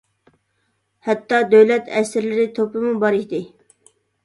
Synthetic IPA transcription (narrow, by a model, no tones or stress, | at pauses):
hɛt̪ːɑd̪øwlɛt̪ʰɛsɪɾlɪɾɪt̪ʰopɪmubɑɾid̪ɪ